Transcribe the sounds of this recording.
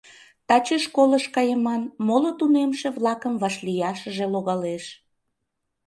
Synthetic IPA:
t̪ɑt͡ɕəʃkoləʃkɑjəmɑnmolot̪unemʃeβlɑkəmvɑʃlijɑʃəʒeloɣɑleʃ

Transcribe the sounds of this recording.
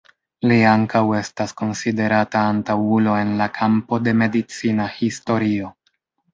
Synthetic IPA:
liaŋkawe̞stasko̞nside̞ɾataːntawulo̞e̞nlakʰampo̞de̞me̞dit͡sinahisto̞ɾio̞

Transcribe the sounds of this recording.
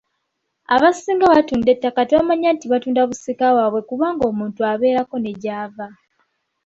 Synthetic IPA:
aβasiːŋɡaβatuːnde̞tːakateβamaɲantiβatuːndaβusikawaːβwe̞kuβaːŋɡo̞ːmuːntuaβe̞ːɾako̞ne̞ɟaːva

